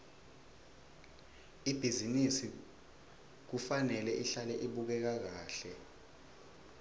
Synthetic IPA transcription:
ib̥ʱizinisi | k̬ufanɛlɛʔiɬalɛʔiɓuk̬ɛk̬ak̬aːɬɛ

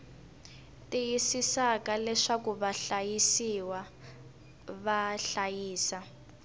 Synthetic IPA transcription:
tijisisakalɛʂakuβaɬajisiwa | βaɬajiːsa

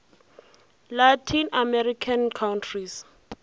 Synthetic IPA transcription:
latʰinamɛɾikʰankʰawntʰris

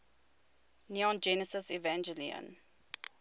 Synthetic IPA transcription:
niɔ̃nd͡ʒɛnəsəsivæ̃nd͡ʒɛlḭə̰̃n

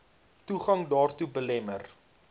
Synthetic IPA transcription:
tuχɐŋdɑːrtubəlɛmər

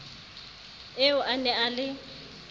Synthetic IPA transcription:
eʊʔanɛalɪ

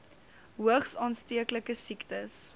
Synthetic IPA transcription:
ɦuəχsɑːnstiəkləkəsiktəs

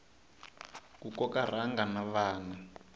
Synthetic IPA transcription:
kukɔkar̤aŋɡanaβaːna

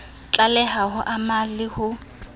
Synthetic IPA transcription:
t͡ɬʼalɛɦahʊʔamalɪhʊ

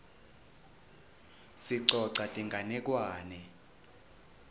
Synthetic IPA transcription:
siǀɔǀatʼiŋɡʱanɛk̬ʼwaːnɛ

